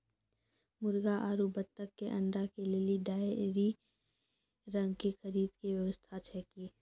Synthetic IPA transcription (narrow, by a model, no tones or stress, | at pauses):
mʊɾɡaʔaːɾubət̪ːəkːeʔə̰̃ɳɖɾakeleːliɖaːjɾi | ɾə̃ŋɡkexəɾiːd̪keʋjəʋəst̪ʰat͡ʃʰɛːkiː